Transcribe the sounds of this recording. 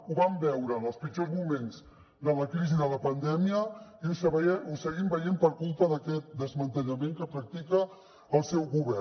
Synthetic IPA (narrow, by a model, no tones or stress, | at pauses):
uβambɛwɾəːnəlˠspid͡ʒozmumenz | d̪ələkɾiziðələpənd̪ɛmiəiusəβɛusəɣimbəjempəɾkulˠt̪əðəkɛt̪̚d̪əzmənt̪əʎəmeŋkəpɾək̚t̪ikəː | lˠsɛwɣuβɛ